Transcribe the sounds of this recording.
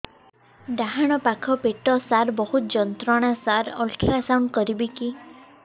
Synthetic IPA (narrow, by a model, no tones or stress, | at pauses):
ɖaɦaɽ̃ɔpakʰɔpeʈɔsaɾbɔhut̪d͡ʒɔnt̪ɾɔɽ̃asaɾɔ̰lʈʰɾasawɳɖkɔɾibiki